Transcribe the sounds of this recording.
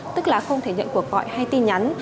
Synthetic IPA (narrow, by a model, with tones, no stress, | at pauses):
t̪ɨ˦˥k̚laː˨˩xə˧wŋ͡mt̪ʰe˧˩ɲə̰˧˨nku˧˩ək̚vɔ̰˧˨jha˧jt̪i˧nɲa˨˦n